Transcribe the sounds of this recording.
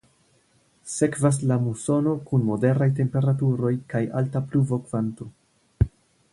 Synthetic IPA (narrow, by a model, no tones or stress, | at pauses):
se̞kvas̬lamuso̞no̞kunmo̞de̞ɾajt̬e̞mpe̞ɾatuɾo̞jkaja̰ltapluvo̞kv̥anto